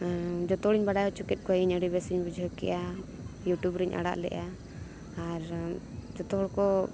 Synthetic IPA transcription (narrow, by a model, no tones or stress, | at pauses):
d͡ʒɔt̪ɔɽiɲbaɽajɔt͡ʃukɛt̪̚kɔiɲəɽibɛsiɲbud͡ʒʱɔkɛ̰ʔa | juʈubɾiɲʔa̰ɽa̰ʔlɛ̰ʔaː | ɾd͡ʒɔt̪ɔɔɽkɔ